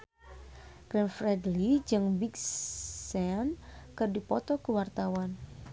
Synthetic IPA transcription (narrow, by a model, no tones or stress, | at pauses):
ɡ̥ɾɛnfɾɛdlid͡ʒɨŋbiksɛnkɨrdipɔt̪ɔkuwart̪awan